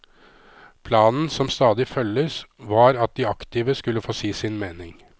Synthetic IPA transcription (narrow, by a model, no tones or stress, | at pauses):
pʰlɑːnn̩sɔmst̪ɑːd̪ɪfœləsʋɑːɾɑt̪̚d̪iɑkt̪ɪːʋəskʉlːəfoːsiːsɪnmeːnɪŋ